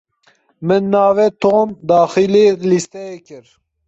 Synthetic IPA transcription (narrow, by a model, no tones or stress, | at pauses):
mɨnːɑːvɛt̪ʰoːnd̪ɑːxilelist̪ɛekʰɨɾ